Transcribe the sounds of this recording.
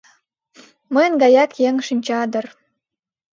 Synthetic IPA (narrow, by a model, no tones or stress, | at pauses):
məjnɡɑjɑkjeŋʃinʲt͡ɕɑd̪ər